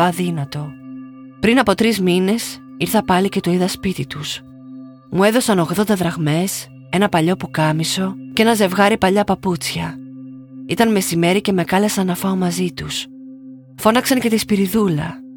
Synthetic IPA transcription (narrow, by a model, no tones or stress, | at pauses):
ɐðinɐt̪o̞ | pɾinɐpo̞t̪ɾizmine̞s | iɾθɐpɐlice̞t̪oiðɐspit̪it̪us | mue̞ðo̞sɐno̞ɣðo̞nd̪ɐðɾɐɣme̞s | e̞nɐpɐʎo̞pukɐmiso̞cee̞nɐze̞vɣɐɾipɐʎɐpɐput͡sçɐ | it̪ɐnme̞sime̞ɾice̞me̞ɣɐle̞sɐnɐfɐomɐzit̪us | fo̞nɐksɐnce̞t̪ispiɾiðulɐ